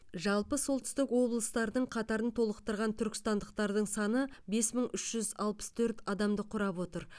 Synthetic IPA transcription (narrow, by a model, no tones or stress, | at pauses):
ʒɑlˠpəso̞lˠt̪ʏ̥st̪ɪkwo̞blˠəst̪ɑɾd̪əɴqʰɑt̪ɑɾənt̪ʰo̞lˠəqt̪əɾʁɑnt̪ʰʏɾkʲɪ̥st̪ɑnd̪əqt̪ɑɾd̪əɴsɑnəbe̞sməɴʏʃʒ̥ʏzɑlˠpə̥st̪ʰɵɾt̪ɑd̪ɑmd̪əqʰʊɾɑpwo̞t̪əɾ